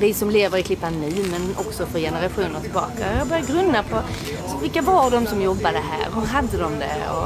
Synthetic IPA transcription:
vɪsɔmleːvəɾɪkʰlɪpːanːʉːmɛnɔksɔfœɾjɛnəɾaɧuːnəɾt̪ʰɪlbɑ̰ːkaɑbœɾjaɡɾɵnd̪ːapʰɔ | vɪlkːavaɾd̪ɔmsɔmjɔbːad̪əɦæ̰ːɾhɵɾɦad̪ːəd̪ɔmd̪ɛ̰ɔ̰

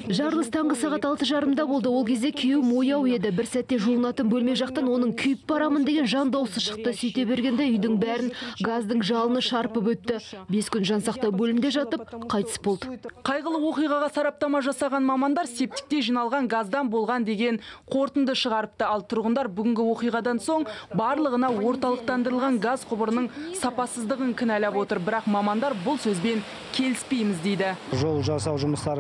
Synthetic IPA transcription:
ʒɑɾlˠəst̪ʰɑɴʁəsɑʁɑt̪ɑlˠt̪əʒɑɾəmd̪ɑbo̞lˠd̪əwo̞lˠkʲʰe̞zd̪e̞kʲʰewɪmo̞jɑwe̞d̪ɪbɪɾsæt̪ːe̞ʒulˠənɑt̪ənbɵlme̞ʒɑq̚t̪ɑnwo̞nəɴkʲʰʏjɪp̚bɑɾɑmənd̪e̞ɡʲe̞nʒɑnd̪ɑwsəʃə̥q̚t̪əsɵjt̪e̞be̞ɾɡʲe̞nd̪ejʏjd̪ɪŋbæɾɪnɡɑzd̪əɴʒɑlˠənəʃɑɾpəpwɵt̪ːɪbe̞skʲʏnʒɑnsɑqt̪ɑwbɵlɪmd̪e̞ʒɑt̪əp̚qʰɑjt̪ə̥sbo̞lˠd̪əqʰɑjʁəlˠəwo̞qijʁɑʁɑsɑɾɑp̚t̪ɑmɑʒɑsɑʁɑnmɑmɑnd̪ɑɾse̞p̚t̪ɪ̥k̚t̪e̞ʒijnɑlˠʁɑŋɡazd̪ɑnbo̞lˠʁɑnd̪e̞ɡʲe̞nqʰo̞ɾt̪ənd̪əʃəʁɑɾəp̚t̪əɑlˠt̪ʰʊɾʁənd̪ɑɾbʏɡʲɪŋɡʲɪwo̞qijʁɑd̪ɑnso̞ɴbɑɾlˠəʁənɑwo̞ɾt̪ɑlˠəq̚t̪ɑnd̪əɾəlˠʁɑŋɡazqʰʊbəɾənəɴsɑpɑsəzd̪əʁəŋkʲʰɪnælɑpwo̞t̪əɾbɪɾɑqmɑmɑnd̪ɑɾbʊlˠsɵzbe̞ŋ | kʲʰe̞lɪspe̞jmɪzd̪e̞jd̪ɪʒolˠʒɑsɑwʒʊməst̪ɑɾ

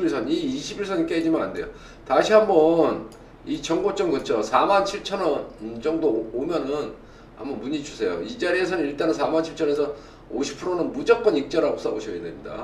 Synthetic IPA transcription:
iɭsʰʌniːɕʰibiɭsʰʌnik͈ed͡ʑimanande̞jo | taɕʰiɦambʌn | it͡ɕʌŋɡot͡ɕ͈ʌŋkɯʌt͡ɕʰosʰamant͡ɕʰiɭt͡ɕʰʌnʌnd͡ʑʌŋdoomjʌnɯn | ha̰mbʌnmuɲit͡ɕusʰe̞jo̰id͡ʑaɾie̞s̬ʰʌnɯniɭt͈anɯnsʰamant͡ɕʰiɭt͡ɕʰʌnesʰʌ | oɕʰi̥pʰɯɾonɯnmud͡ʑʌk͈ʌnik̚t͡ɕ͈ʌɾaɡos͈aboɕʰiɡedemɲida̰

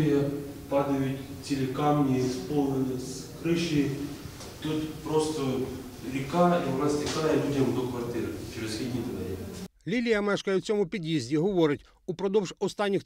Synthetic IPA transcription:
ijɐ | pɑd̪ɐjʊtʲ | t͡sʲilʲɪkɑmnʲispɔlˠnɪnɪskɾɪʃi | t̪ut̪pɾɔst̪ɔ | lʲikɑiʊnɑsʲtʲikɑjɛlʲudʲɐmd̪ɔkʋɐrt̪ɪɾɪt͡ʃeɾɪsxʲid̪ʲnʲid̪ɔʋ̪ɛɾʲḭlʲilʲijɐmɛʃkɐjʊwt͡sʲɔmʊpʲid̪ʲjizʲdʲiɦɔʋɔɾɪtʲ | upɾɔd̪ɔwʒɔst̪ɑnʲːix

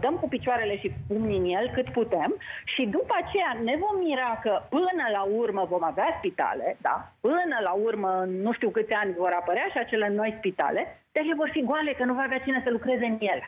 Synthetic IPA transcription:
d̪əmkupit͡ʃoaɾe̞le̞ʃipumninje̞lkɨt̪put̪e̞mʃid̪upəat͡ʃe̞jane̞vo̞mːiɾakəpɨnəlaurməvo̞maveaspit̪a̰le̞d̪a̰pɨnəlaurməɨnːuʃt̪iwkɨt̪sʲanʲvo̞ɾapəɾeaʃiat͡ʃe̞le̞no̞jspit̪a̰le̞d̪̥alevo̞rfiɡoale̞kənuvaaveat͡ʃinesəlukɾe̞ze̞ɨnje̞l

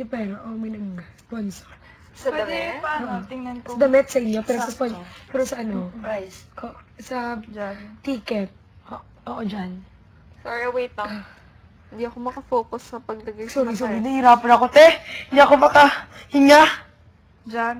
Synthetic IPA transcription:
jopɛːɾoʔomɪnɐŋsponsoɹ | d̪ɛaoʔt̪ɪŋnɐnksd̪ɐmɛt̪̚sɐʔɪɲːopɛːɾosɐsponpɛːɾosɐʔɐnoajsoʔsɐd͡ʒt̪iːkɛt̪̚ | ʔoːʔod͡ʒan | soɹiɐwejt̪̚ɐ | hɪnd̪iɐkomɐkɐfoːkʊsːɐpɐɡ̚lɐɡɐsuːɾisuiɐhiɾaːpɐnɐkot̪ɛhɪnd̪iʔɐkomɐkɐ | hɪŋa | d͡ʒan

